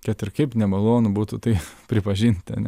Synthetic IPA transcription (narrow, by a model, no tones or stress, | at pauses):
kʲɛt̪ʲɪrkɐɪpnʲɛmɐlˠoːnʊbuːt̪ʊt̪ɐɪpʲɾʲɪpɐʒʲiːnʲt̪ʲɐ̰nʲɛ